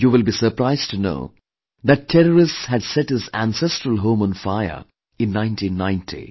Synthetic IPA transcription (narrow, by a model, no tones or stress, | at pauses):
juːʋɪlbiːsəɾpɾaɪzʈʰuno̰ː | d̪æʈːʰɛɾəɾɪstshæɖsɛʈhɪzæ̃nsɛstɾəlˠɦõːmə̃nfaɪə̰ | ɪ̃nːãɪ̃ntʰĩːnːãɪ̃ntʰḭ